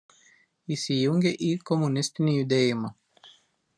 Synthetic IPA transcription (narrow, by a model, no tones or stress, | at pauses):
isijuŋɡʲeʔikomunʲist̪inʲijud̪ejima